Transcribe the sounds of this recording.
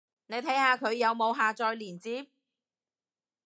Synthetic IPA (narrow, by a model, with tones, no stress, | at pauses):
ne˨˧jt̪ʰɐ˨˥jhaː˨˧kʰɵ˨˧ɥjɐ˨˧wmo˨˧wɦaː˨˧t͡ʃɔː˧jliː˨˩nt͡siː˨˥p̚